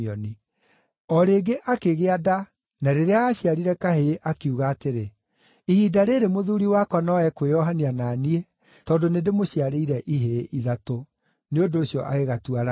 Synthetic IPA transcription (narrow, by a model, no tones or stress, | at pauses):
ɔni | ɔɾeːɡeʔakeɣeada | naɾeɾeaːɕiaɾiɾɛkaɦeʔakiuɣaːteɾe | ihiːdaɾeɾemoðuɾiwakwanɔɛkwejɔɦaniananie | tɔːndonedemoɕiaɾeiɾɛʔiɦeʔiðato | neondoːɕjɔʔaɣeɣatuaɾa